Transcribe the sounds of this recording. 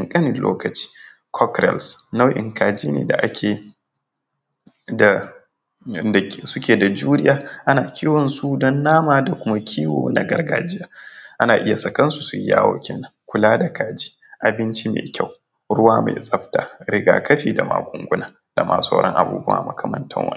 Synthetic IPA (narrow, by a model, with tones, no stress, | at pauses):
ɪ˨ŋkʼɐ˦nɪ˨lo̰ː˦kɐ˨t͡ʃi̥ː˦ | kʰɔ˦kɾɛ̰˨lsna˦wʔɪ̰˨ŋkaː˨d͡ʒiː˦nḛː˨da̰˨ʔa˦kʲʰeː˨ | da˨ | a˨sʊ˦kʲeː˨da˨d͡ʒuː˦ɾɪ˦jaː˦ʔa˦naː˨kʲʰiː˦wɔ˨nsu˦dɔ˦nːaː˦maː˨da˨kʷʊ˦ma˦kʲʰiː˦woː˨na˨ɡɐ˦rɡaː˨d͡ʒɪ˦jaː˨˦ʔa˦naː˨ʔɪ˦ja˨sɐ˨kɐ˦nsu˨sʊ˦ja̰ː˦wo̰ː˦kʲʰeː˨nɐ˦ŋkʷʊ˦laː˦da˨kaː˨d͡ʒi̥ː˦ | ʔa˨bɪ˦nt͡ʃi˦mḛː˨kʲʰa˦˨w | ɽʊ˦waː˦mḛː˨sʼɐ˦ɸta˨ɾɪ˦ɡaː˨kɐ˦ɸiː˨da˨ma̰ː˨kʷʼʊ˦ŋɡʷʊ˦naː˨ | d̥a˨mʔa̰ː˨sa˦ɽɔ̰˦ŋʔa̰˨bṵː˦bʊ˦a̰ː˨mɐ˨kʰɐ˨mɐ̰˦ntɐ̰˦ŋwɐ̰˦